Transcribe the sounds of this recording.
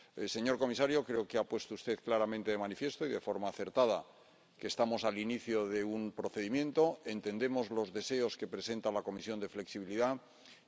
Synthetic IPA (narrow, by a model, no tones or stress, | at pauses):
se̞ɲo̞ɾko̞misaɾjo̞kɾe̞okeapwe̞st̪oust̪e̞ðklaɾamẽnt̪e̞ðemanifje̞st̪oiðe̞fo̞ɾmaːθe̞ɾt̪aða | keːst̪amo̞saliniθjo̞ðe̞umpɾo̞θeðimjẽ̞nt̪o̞e̞nt̪e̞nd̪e̞mo̞zlo̞zðe̞se̞o̞ske̞pɾe̞se̞nt̪alako̞misjo̞nd̪e̞fle̞ksiβiliða